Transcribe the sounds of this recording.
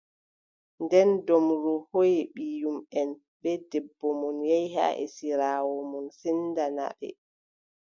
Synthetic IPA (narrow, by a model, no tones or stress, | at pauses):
ndɛndɔmɾɔhojɛɓijumɛn | bɛdɛbːɔmɔnjɛjha̰ʔɛ̰siɾawɔmɔnsindana̰ɗɛ̰